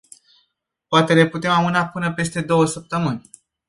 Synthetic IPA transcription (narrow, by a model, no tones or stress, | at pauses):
poat̪e̞le̞put̪e̞mamɨnapɨnəpe̞st̪e̞d̪o̞wəsəp̚t̪əmɨnʲ